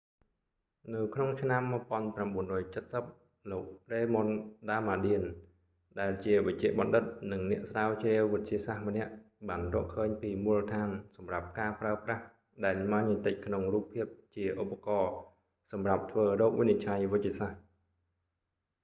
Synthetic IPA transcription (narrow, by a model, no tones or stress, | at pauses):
nɨwkʰnoŋt͡ɕʰnamːəpŏənpramɓuənrɔːjt͡ɕət̪̚səp̚ | loːk̚reːmonɗaːmaːɗiən | ɗaɛlt͡ɕiəʋɨc̚t͡ɕɛ̆əʔɓɑnɗɨt̪̚nɨŋnɛ̆əʔsraːwt͡ɕrɛəwʋɨc̪̚t͡ɕiəsahmə̆nɛ̆əʔ | ɓaːnrɔːəʔkʰəːɲpiːmulət̪ʰaːnsɑmrap̚kaːpraəprah | ɗaɛlmaːɲət̪əc̚kʰnoŋruːpʰːiəp̚t͡ɕiəʔopːakɑː | sɑmrap̚t̪ʰʋəːrɔːk̚ʋɨnit͡ɕʰajʋɨc̚t͡ɕiəsah